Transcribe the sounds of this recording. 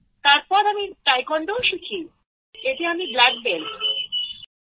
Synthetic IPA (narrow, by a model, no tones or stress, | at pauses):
t̪aɾpɔɾamiʈɾajkɔɳɖooʃukʰi | et̪eamiblɛk̚bel